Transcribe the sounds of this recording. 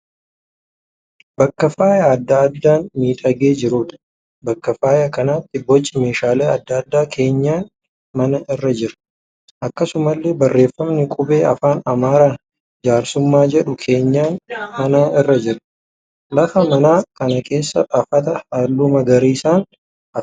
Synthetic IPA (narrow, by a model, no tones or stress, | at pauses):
bɐkːɐfaːjɐːd̪ːɐːd̪ːaːnmiːᶑ̪ʼɐɡe̞ːd͡ʒɪɾuːᶑ̪ɐ̥ | bɐkːɐfaːjɐkɐnaːt̪ːɪbɔt͡ʃʼːɪme̞ːʃaːleːɐd̪ːɐɐd̪ːaːkʰe̞ːɲːaːn | mɐnɐɪrːɐd͡ʒɪɾɐ̥ | ʔɐkːɐsʊmɐlːeːbɐrːe̞ːfːɐmnɪkʼʊbe̞ːɐfaːnɐmaːɾaː | d͡ʒaːɾsʊmːaːd͡ʒɛᶑʊkʰe̞ːɲːaːnmɐnaːɪrːɐd͡ʒɪɾɐ̥ | lɐfɐmɐnaːkɐnɐkʰe̞ːsːɐʔɐfɐt̪ɐhaːlːuːmɐɡɐɾiːsaːn | ʔɐf